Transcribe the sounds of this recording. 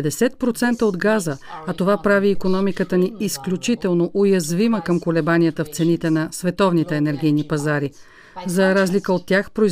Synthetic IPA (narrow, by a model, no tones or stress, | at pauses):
d̪ɛsɛt̪̚pɾot̪sɛnt̪əod̪ɡazəːt̪ovapɾaviːkonɔmikət̪əniisklʲut͡ʃit̪ɛlˠnoʔojɐzviməkəmkolɛbaniət̪əft̪sɛnit̪ɛnɐsvɛt̪ɔvnit̪ɛːnɛɾɡ̟ijnipɐzaɾi | zɐɾazlikəot̪ːjaxpɾoi